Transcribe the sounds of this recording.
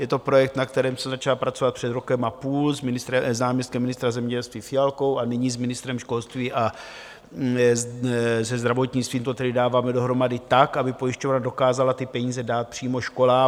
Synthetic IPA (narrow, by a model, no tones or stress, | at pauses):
jɛt̪o̞pɾo̞jɛk̚t̪nak̚t̪ɛɾɛːmsɛzat͡ʃalapɾat͡sovat̪̚pr̥ɛd̪ɾo̞kɛmʔapuːlzɪnɪst̪ɛznaːmɲɛst̪kɛmːɪnɪst̪ɾazɛmɲɛɟɛlst̪viːfɪjalko̞wʔanɪɲizmɪnɪst̪ɾɛmʃko̞lst̪viːʔa | zɛzd̪ɾavo̞t̪ɲɪt͡sst̪viːmt̪ot̪ɛdɪdaːvaːmɛdo̞ɦɾo̞madɪt̪akʔabɪpo̞jɪʃcovnado̞kaːzalat̪ɪpɛɲiːzɛdaːt̪̚pr̥iːmo̞ʃko̞laː